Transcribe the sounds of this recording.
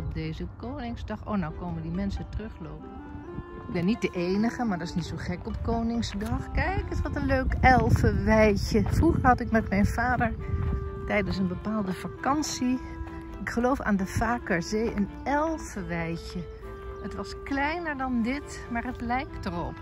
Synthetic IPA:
ɔp̚dejzəp̚koːnɪŋzdɑχo̰ːnawkoːməndimɛnsətrɵχloːpən | ɪɡ̚bɛnːit̚dəʔejnəχəmaɹdɑtɪsnitsowχɛkɔpkoːnɪŋzdɑχkɛjkətʋɑtənløɥkɛlˠvəʋɛjçəfruχəɹhɑtɪkmɛtmɛjnvaːdəɹtɛjdəns̬ənbəpaːlˠdəfakɑnsi | ɪkχəlowfa̰ːndəfaːkəɹzeːən | ɛlˠvəʋɛjçə | ətʋɑsklɛjnəɹdɑndɪt | maːɹətlɛjktərɔp

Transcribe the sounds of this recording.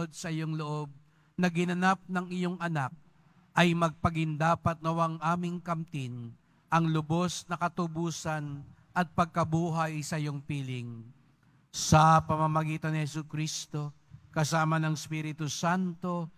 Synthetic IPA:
od̪̚sɐʔɪjoŋloʔo̞b̚ | nɐɡɪnɐnap̚nɐŋɪjo̞ŋɐnak̚ | ʔɐjmɐɡ̚pɐɡɪnd̪aːpɐt̪̚nɐwaŋʔaːmɪŋkɐmt̪ɪn | ʔɐŋlʊbo̞snɐkɐt̪ʊbuːsɐn | ʔɐt̪̚pɐɡ̚kɐbuːɦɐjsɐʔɪjo̞ŋpiːlɪŋ | sɐpɐmamɐɡiːt̪ɐnɪhɛsukɾist̪o̞kɐsaːmɐnɐŋspiːɾɪt̪ʊsant̪o̞

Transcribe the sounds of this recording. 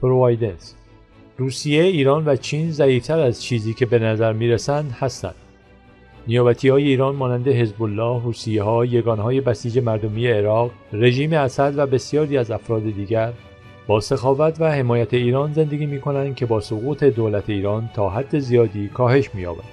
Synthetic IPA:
pɾovɑjd̪ens | ruːsije̞iːɾɒːnvæt͡ʃʰiːnzæiːft̪ʰæɾæzt͡ʃʰiːziːcʰe̞be̞næzæɾmiːɾesænd̪hæst̪æ̰nd̪̥ | nijɒːbæt̪ʰiːhɒːje̞iːɾɒːnmɒːnænd̪e̞ɦe̞zbolːɒːhhuːsijeɦɒːje̞ɡɒːnhɒːje̞bæsiːd͡ʒe̞mæɾd̪o̞miːje̞ːɾɒːɣre̞ʒiːmeæsæd̪væbe̞sijɒːɾiːæzæfɾɒːd̪e̞d̪iːɟæɾ | b̥ɒːse̞xɒːvæt̪væhe̞mɒːjæt̪ʰe̞iːɾɒːnze̞nd̪e̞ɡʲiːmiːkʰo̞nænd̪̥̚cʲʰe̞bɒːsoɣuːt̪ʰe̞d̪oːlæt̪ʰe̞iːɾɒːnt̪ʰɒːɦæd̪ːe̞zijɒːd̪iːkʰɒːhe̞ʃmiːjɒ̰ːbæ̰d̪̥

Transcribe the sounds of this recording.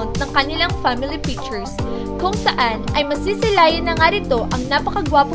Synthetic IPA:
wnd̪̚nɐŋkɐnɪlaŋfamɪlipik̚t͡ʃɛɹs | kʊŋsɐʔanʔɐjmɐsiːsɪlaːjɪnɐŋaɾɪt̪o̞ʔɐŋnapɐkɐɡwaːpʊ

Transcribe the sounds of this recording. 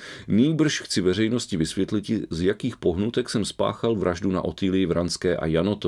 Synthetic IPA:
niːbr̩ʃxt͡sɪvɛr̝ɛjno̞scɪvɪsvjɛt̪lɪcɪzjakiːxpo̞ɦnut̪ɛksɛmspa̰ːxalvɾʔaʒduna̰ʔo̞t̪iːlɪjɪvɾanskɛːʔa̰janot̪o

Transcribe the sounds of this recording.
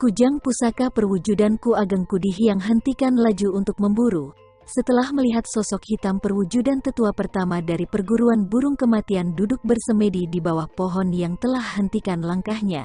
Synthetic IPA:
kud͡ʒaŋpusakapərwud͡ʒudankuaɡaŋkudiɦijaŋɦənt̪ikanlad͡ʒuunt̪ʊk̚məmbuɾu | sət̪əlahməliɦat̪̚sɔsɔkhit̪ampərwud͡ʒudant̪ət̪uapərt̪amadaɾipərɡuɾuanbuɾʊŋkəmat̪iandudʊk̚bərsəmədidibawahpɔɦɔnjaŋt̪əlahːənt̪ikanlaŋkahɲa̰

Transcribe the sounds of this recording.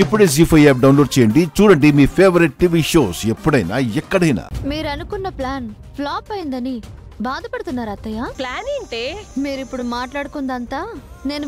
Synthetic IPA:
ipːuɽeːs̬iːpʰɐjeːp̚ɖɐwnloːɖt͡ʃɛːjɐɳɖit͡ʃuːɽɐɳɖimiːpʰeːʋɐɾiʈ̚ʈiʋiːʃoːsepːuɽɐjna̰ːɛkːɐɽɐjna̰ːmiːɾɐnukunːɐplaːn | plaːpɐjind̪ɐni | baːd̪ʱɐpɐɽut̪unːaːɾɐt̪ːɐjaːplaːneːɳʈeːmiːɾuipːuɽumaːʈlaːɽukund̪ɐnt̪aːne̞ːnu

